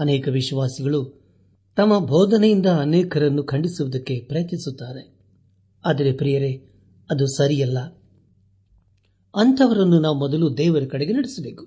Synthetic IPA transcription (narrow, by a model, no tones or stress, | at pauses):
ɐnɛːkɐʋiʃʋaːsiɡɐɭu | t̪ɐmːɐbʱɔːd̪ɐnejind̪ɐːnɛːkʰɐɾɐnːukʰɐɳɖisuʋɐd̪ɐkːe̞pɾɐjɐt̪ːisut̪ːaːɾe̞ | aːd̪ɐɾe̞pɾijɐɾe̞ | ɐd̪usɐɾijɐlːɐ | ɐnt̪ʰɐʋɐɾɐnːunaːʋumɔd̪ɐlud̪ɛːʋɐɾɐkɐɽeɡe̞nɐɽisɐbe̞ːku̥